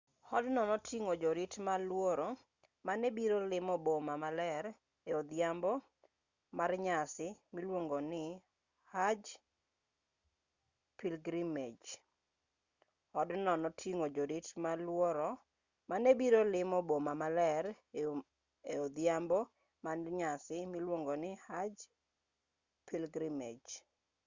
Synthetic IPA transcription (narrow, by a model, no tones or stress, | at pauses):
hɔdnɔnɔtʰiŋod͡ʒɔɾitmalwɔɾɔ | manebiɾolɪmɔbomamalɛɾ | eod̪ɪjambɔ | marɲasɪmilwoŋɡonɪ | had͡ʒ | pilɡɾimed͡ʒ | ɔdnɔnɔtʰiŋod͡ʒoditmalwɔɾɔ | manebiɾolɪmɔbomamalɛɾ | eod̪jambɔ | manɲasɪmilwoŋɡonɪhad͡ʒ | pʰilɡɾimed͡ʒ